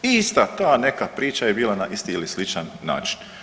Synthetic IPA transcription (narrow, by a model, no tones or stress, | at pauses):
ist̪at̪aːne̞kapɾiːt͡ʃajebiːlˠanaʔist̪iilislit͡ʃanːa̰ːt͡ʃi̥n